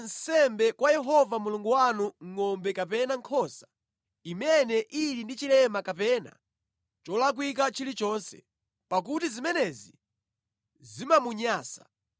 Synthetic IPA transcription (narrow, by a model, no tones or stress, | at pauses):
n̩sɛmbɛkwajɛɦɔvamuluŋɡuwanuŋ̩ŋɔmbɛkapɛnaŋkʰɔsḁ | imɛnɛʔilindit͡ʃilɛmakapɛna̰ | t͡ʃɔlak̬wik̬at͡ʃʰilit͡ʃɔːnsɛ̰ | pak̬utizimɛnɛzi | zimamuɲaːsḁ̰